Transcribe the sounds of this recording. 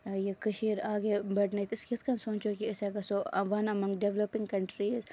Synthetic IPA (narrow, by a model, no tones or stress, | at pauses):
jekɐʃiːɾaːɡebɐɽnɐt̪ɪskit̪kɐmsõːt͡ʃokiɪsekɐsoɐ̰ʋɐnɐmɐ̃ŋɡɖeʋlopɪŋkɐɳʈɾiːz